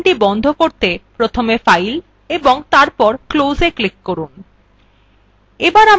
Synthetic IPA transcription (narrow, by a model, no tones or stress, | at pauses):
ʈibɔnd̪ʱokoɾt̪epɾot̪ʰomefajl | eboŋt̪aɾpɔɾklozeklikːoɾun | ebaɾam